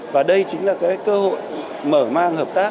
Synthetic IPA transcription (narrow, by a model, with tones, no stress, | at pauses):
vaː˨˩ɗə˧jt͡ɕï˨˦ŋlaː˨˩kaː˨˦jkəː˧ho̰˧˨j | məː˧˩maː˧ŋhəː˨˩p̚t̪aː˦˥